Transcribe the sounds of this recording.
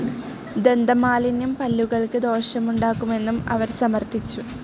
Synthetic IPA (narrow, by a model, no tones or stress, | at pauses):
d̪e̞nd̪ɐmaːlinjumpɐlːuɣɐɭkɨd̪o̞ːɕɐmuɳɖaːkːume̞nːumɐ̰ʋɐɾsɐmɐrt̪it͡ɕːu